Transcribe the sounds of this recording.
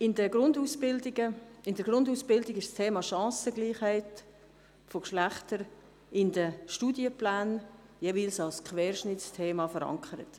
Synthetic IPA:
ɪndəɡ̥ɾʊndusbɪldɪɡəɪndəɾɡ̥ɾʊnduːsb̥ɪldɪɡɪʃstʰeːmɑʃɑ̃ːsəɡliːχhɛɪt | fokʃlæχtəɾ | ɪndəʃtuːdjəplaːn | jeːviːlsɑlskʰʋɛːɾʃnɪt͡stʰeːmɑfəɾɑ̰ŋkʰəɾət

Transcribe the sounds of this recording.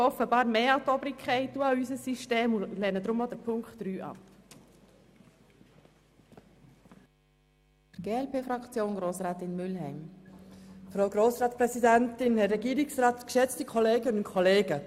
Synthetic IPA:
ɔfːəbɑːɾmeːɑt̪ɔbɾikʰχɛɪtuɑysəsːiʃteːmʊlɛːnəd̪ɾʊmodəɾpʰʊŋkχtːɾyːʔɑ̰p | dəɡ̥eːɛlpʰeːfɾɑkt͡sjoːnɡɾoːsɾaːt̪ɪnmʏlɦɛɪm | fɾaʊɡɾoːsɾɑːtspɾɛsidæntɪnhɛɾɛɡiːɾɪksrɑːt̪kʃɛt͡stikʰɔleːɡənʊnkʰɔleːɡ̥ə

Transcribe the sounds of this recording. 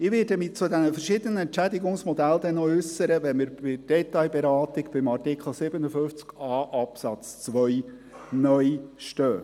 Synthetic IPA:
ɪʋɪːdəmit͡sʊd̪ænəfərʃɪd̪ənəɛntt͡ʃæd̪iɡʊŋsmɔd̥̪æld̪ɛnːɔʏsːəɾəʋɛnmɪːɾbɪd̥ɛt̪ɑjbɛɾɑːt̪ɪkb̥ɪmɑrtɪkχl̩ˠsɪbənəføft͡skɑːʔɑpsɑt͡st͡sʋœj | nœjʃtøː

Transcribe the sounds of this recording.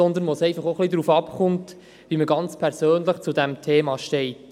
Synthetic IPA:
ɔnd̪əɾnʋosɛɪfɑχoχlidɾuːfɑpχʊnt | ʋiməɡɑnt͡spʰɛɾsøːnləχt͡sudɛmtʰeːmɑʃtɛɪt

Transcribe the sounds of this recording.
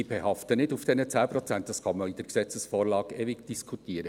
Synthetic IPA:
ibɛhɑftənɪdufd̥ɛnət͡sæːpɾɔt͡sæntd̥ɑsχɑməid̥əɾksɛt͡səsfɔːɾlɑːɡevɪɡd̥iskʰutiːəɾə

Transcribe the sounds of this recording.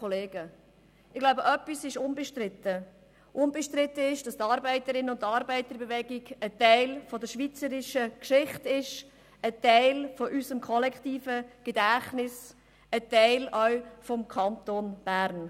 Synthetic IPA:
oleːɡə | ɪɡ̥laʊbəʔœpːisɪʃʊnbəʃtɾɪt̪ə | ʔʊnbeʃtɾɪt̪ːəɪʃd̥ɑst̪ɑːɾbæɪtəɾɪnʊntɑɾbæɪt̪əɾbevɛɡiɡətɛɪlfɔdəɾʃʋit͡səɾɪʃəkʃɪχtɪʃ | ətɛɪlfɔʔysəmkʰɔlɛktiːfəɡ̥edæχnɪs | ətɛɪlœʊfɔmkʰɑnt̪onb̥æɾn

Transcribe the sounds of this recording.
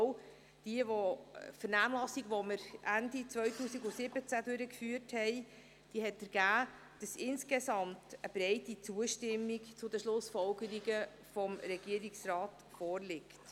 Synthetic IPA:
d̥iəʋɔfəɾnæːmlɑsiɡʋɔməɾʔændit͡svœɥtuːsiɡʊsɪbət͡sædøɾəkfyːəɾthɛɪ | d̥iəɦɛtəɾɡ̥æː | d̥ɑsɪnskesɑmtəb̥ɾɛɪtit͡suəʃtɪmːikt͡sʊdəʃlʊsfɔlkəɾiɡə | fɔmɾɛɡ̥iəɾiksrɑːt | fɔːrlɪkt

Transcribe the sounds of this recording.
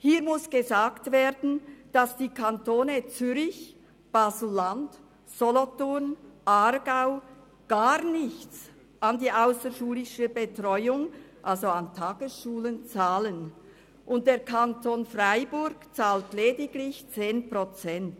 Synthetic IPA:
hiːɐmʊsɡ̥əzaːktv̥eːdn̩d̥asd̥iːkʰantoːnət͡syɾɪç | b̥aːzl̩ːand | z̥ɔlɔtʊʁnʔarɡaʊ | ɡ̥aːʁnɪçt͡s | ʔɑndiːʔaʊsəʃuːlɪʃəbetʁɔʏʊŋʔalzoantʰaːɡ̥əsʃuːlənt͡saːlən | ʔʊnt̚d̥eːɐkʰantonfraɪbʊɾɡt͡saːltlɛːdɪɡlɪçt͡seːnprot͡sɛnt

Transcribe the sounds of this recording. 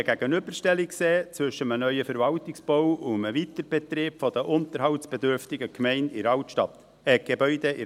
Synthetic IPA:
ɡ̥æɡənʏbəɾʃtɛlikseːt͡sʋʏʃəmənœʏəfəɾvɑltɪksb̥owʊməʋitəɾb̥ɛt̪rɪːpfɔd̪əʔʊnt̪əɾɦɑwtsb̥ɛd̪ʏɾft̪ɪɡəkʰmɛɪndɪɾɑwtʃtɑt̪ | ɛɡ̥ebœʏd̪ɛɪ

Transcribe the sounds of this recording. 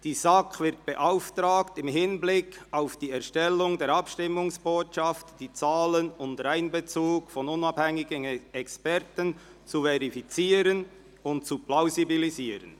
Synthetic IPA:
d̥iːzakvɪʁt̚b̥eʔaʊftɾaːktɪmɦɪnblɪkʰaʊfd̥iːɛɐʃtɛlːʊŋdeːɾapʃtɪmʊŋsb̥oːtʃaftd̥iːt͡saːlənʊntɾaɪnbət͡suːkfɔnʊnɑbhɛŋɪɡənɛkspɛʁtən | t͡suvɛʁifit͡siːɾən | ʊntt͡suplaʊzibiliziːɾən

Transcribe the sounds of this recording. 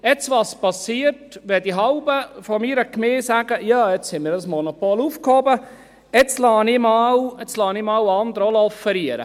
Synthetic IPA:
ɛt͡sʋɑspɑsiərtʋɛdiɦɑʊbəfɔmiːɾəkmeːsæɡəjɑːɛt͡shɛnmiːɾɑsmɔnopoːluːfkhobə | ɛt͡slɑːnimɑːwɛt͡slɑːnimɑwɑnd̪əɾɔlɔfəɾiəɾə̰

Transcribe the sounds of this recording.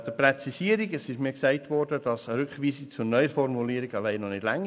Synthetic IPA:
d̥əprɛt͡sisiəɾiɡəsɪʃmiːksæɪtʋɔɾdəd̥ɑsɾʉkχʋiːsɪkt͡sʊɾnœʏəfɔɾmuliəɾi̥ɑlæɪnɔnɪd̥læŋ

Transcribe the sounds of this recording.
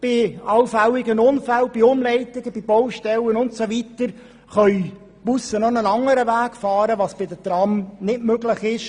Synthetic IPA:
b̥ɪɑlfælɪɡənʊnfælb̥iʊmlɛɪt̪ɪɡəb̥ibɔwʃtɛlənʊntsoʋit̪əɾ | χœɥ | b̥usənɔnənɑŋːəɾəʋæːkfɑːɾəʋɑsb̥ɪd̪ətɾɑmnɪtmøɡlɪχɪʃ

